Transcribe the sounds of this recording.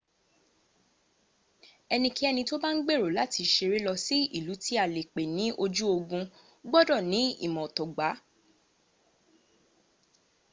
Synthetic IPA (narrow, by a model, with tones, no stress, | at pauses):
ɛ˧nĩ˧ki˦ɛ˧nĩ˧to˦ba˦n̩˦ɡ͡be˦˨ɾo˨la˨˦tʰi˧ʃe˧ɾe˦lɔ˧si˦i˦˨lu˨˦ti˦a˦˨le˨k͡pe˨nĩ˨˦ʔo˧d͡ʒu˦o˧ɡũ˧ | ɡ͡bɔ˦dɔ˦˨nĩ˨˦ḭ˦˨mɔ̃˨tɔ˨ɡ͡ba˨˦